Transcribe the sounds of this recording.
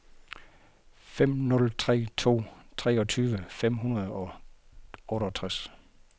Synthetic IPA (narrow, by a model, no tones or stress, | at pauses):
fem̰nɔ̽lt͡sʰʁɛ̰ːt͡sʰo̝̰ːt͡sʰʁɛ̰ːɒ̽t͡sʰyːʋəfem̰ɦunɐð̩ˠɒ̽ | ɔ̽ːɾɐt͡sʰʁas